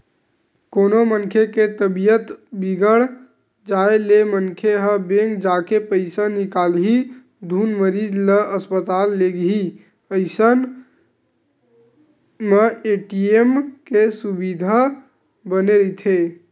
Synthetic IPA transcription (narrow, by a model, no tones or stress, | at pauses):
konomənkʰeket̪əbijət̪biɡəɽ | d͡ʒaelemənkʰeɦəbeŋɡd͡ʒakepəɪsanikalɦi | d̪ʱunməɾid͡ʒləʔəspət̪alːeɡɦi | pəɪsən | meeʈiemkesubid̪ʱa | bəneɾət̪ʰe